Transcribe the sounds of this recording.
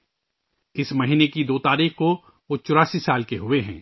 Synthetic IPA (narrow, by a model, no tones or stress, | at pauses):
ɪsmɐɦiːnekid̪oːt̪aːɾiːxko | ʋot͡ʃʊɾaːsisaːlkeɦʊeɦɛ̰̃ː